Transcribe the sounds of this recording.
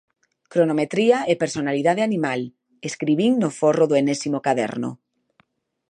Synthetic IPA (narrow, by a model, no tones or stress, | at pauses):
kɾonomet̪ɾiaʔepeɾsonaliðað̞eanimal | eskɾiβiŋnoforoðoenesimokaðɛ̰ɾnʊ̰